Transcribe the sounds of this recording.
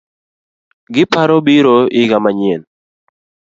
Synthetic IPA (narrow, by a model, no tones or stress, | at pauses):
ɡɪpaɾɔbiɾoɪɡamaɲɪen